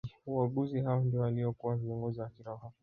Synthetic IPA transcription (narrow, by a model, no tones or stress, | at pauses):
uwaɡuzihaɔndijɔaliɔkuwaviɔŋɡɔziwakiɾaɔɦa